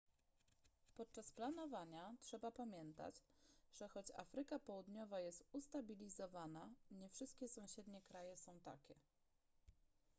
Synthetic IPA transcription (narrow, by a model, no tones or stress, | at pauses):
pɔt̪̚t͡ʂasplanɔvaɲatʂɛbapamʲjɛnt̪a̰t͡ɕʐ̥ɛxɔt͡ɕa̰fɾɘkapɔwud̪ɲɔvajɛst̪ust̪abʲilʲizɔvanaɲɛfʂɘst̪̚kʲɛsɔ̃w̃ɕɛd̪ɲɛkɾajɛsɔ̃w̃t̪a̰kʲɛ